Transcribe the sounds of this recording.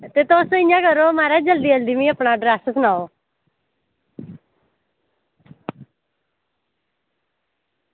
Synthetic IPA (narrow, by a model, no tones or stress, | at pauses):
t̪eːt̪oːsõɪ̃jãːkəɾoːmaːɾaːd͡ʒəld̪iːəld̪iːmĩːəpnaːɖɾaːsəsnaːoː